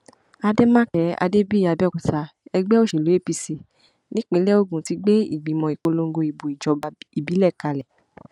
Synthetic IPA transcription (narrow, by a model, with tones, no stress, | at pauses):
a˧de˦mã˦kɛ˨˦a̰˧de˦bi˦˨ja˨˧˨bɛ˦˨ku˨sa˧˦ɛ˧ɡ͡bɛ˦o˦˨ʃi˨lo˨˦e˦˨pi˧si˧ | nĩ˦k͡pe˨˧˦lɛ˦o˦˨ɡũ˨˦ti˧˦ɡ͡be˦ḭ˦˨ɡ͡bĩ˨˦mɔ̃˨i˨k͡po˧lo˧ŋ̩˦ɡo˧i˨bu˨i˨d͡ʒɔ˨i˨bi˨˦lɛ˦˨ka˧lɛ˨